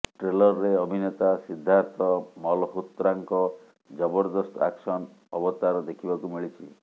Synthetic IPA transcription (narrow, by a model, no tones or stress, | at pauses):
ʈɾelɔɾːeɔbʱinɔt̪asid̪ʱːaɾt̪ɔmɔlɔɦut̪ɾaŋkɔ | d͡ʒɔbɔɾd̪ɔsta̰ksɔn | ɔbɔt̪aɾɔd̪ekʰibakumiɭit͡ʃʰi